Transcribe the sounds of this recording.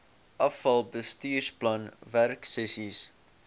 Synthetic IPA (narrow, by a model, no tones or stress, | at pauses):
ʔʌfɐlˠbəstiːʃplʌ̃nværksɛsis